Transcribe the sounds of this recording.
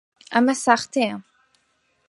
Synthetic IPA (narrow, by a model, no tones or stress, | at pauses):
amasaχt̪e